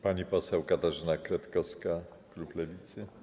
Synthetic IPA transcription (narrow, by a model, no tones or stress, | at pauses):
paɲipɔsɛwkat̪aʐɘnakɾat̪kɔska | kluplɛvʲit̪sɘ